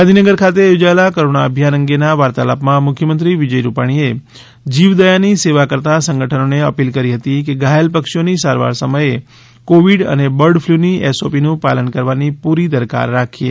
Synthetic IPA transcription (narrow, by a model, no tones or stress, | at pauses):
ɡand̪ʱinəɡəɾkʰat̪ejod͡ʒaelakəɾoɽaəbʱjanə̃ŋɡenaʋaɾt̪alapmãmʊkʰjəmənt̪ɾiʋid͡ʒəjɾupaɽ̃ie | d͡ʒiʋd̪əjaniseʋakəɾt̪asə̃ŋɡəʈʰənoneəpilkəɾiɦət̪ikeɡajəlpəkʃjonisaɾʋa̰ɾsəməje | koʋiɖə̰nebəɾɖfʰluniɛsopinũpa̰lənkəɾʋanipuɾid̪əɾka̰ɾːakʰiḛ